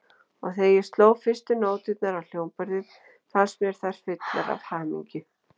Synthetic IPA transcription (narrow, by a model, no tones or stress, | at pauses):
ɔɣθejɛst̪loːwfɪr̥st̪ʏnoːwt̪ɪt̪naɾawl̥joːwmpœɾðɪð | fansmjɛɾ̥θar̥fɪt̪na̰ɾa̰vhaːmḭɲcʏ